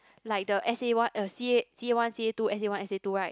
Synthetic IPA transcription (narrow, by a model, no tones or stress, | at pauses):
laɪk̚dəʔɛsewãnəsiesiewãnsietuʔɛsewãnɛsetuɹaɪt